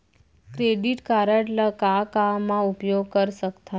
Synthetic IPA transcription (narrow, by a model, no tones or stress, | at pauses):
kɾeɖiʈkaɾəʈləkakamːãupjoɡ̚kəɾʃəkt̪ʰa